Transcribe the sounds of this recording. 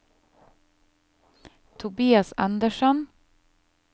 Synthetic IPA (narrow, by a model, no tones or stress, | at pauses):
t̪ʰʊbiːɑsɑ̰nd̪əʃɔn